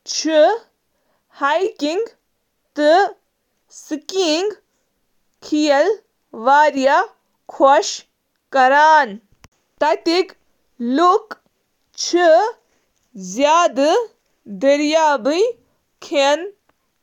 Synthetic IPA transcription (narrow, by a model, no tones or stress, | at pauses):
t͡ʃʰi | hajkiŋɡ | t̪ɨ | sɨkiŋɡ | kʰijɐl | ʋaːɾja | kʰoʃ | kɐɾaːn | t̪ɐt̪ik | luk | t͡ʃʰi | zjaːd̪ɨ | d̪ɐɾjaːbɨj | kʰen